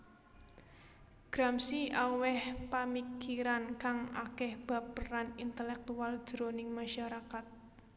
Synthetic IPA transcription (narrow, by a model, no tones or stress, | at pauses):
ɡ̥ɾamsiʔawɛhpamikiɾankaŋa̰kɛhb̥a̤pːəranint̪əlɛk̚t̪uald̥ʒ̥ɾonɪŋmaʃaɾakat̪̚